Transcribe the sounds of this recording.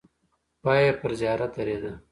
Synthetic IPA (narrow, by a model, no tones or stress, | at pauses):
pɑːjepəɾzjɑːɾat̪ɐɾed̪a